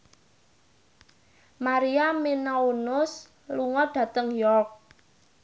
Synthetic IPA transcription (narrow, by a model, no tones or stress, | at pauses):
maɾiamenaunʊs | luŋɔɖ̥ä̤t̪əŋjɔrk̚